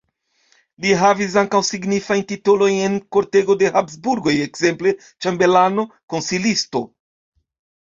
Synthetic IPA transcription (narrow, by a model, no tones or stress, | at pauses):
liɦavis̬aŋkawsiɡnifajntitolo̞jne̞nko̞ɾte̞ɡo̞de̞hapsbuɾɡo̞je̞kz̥e̞mple̞ | t͡ʃambe̞lano̞ko̞nsilisto̞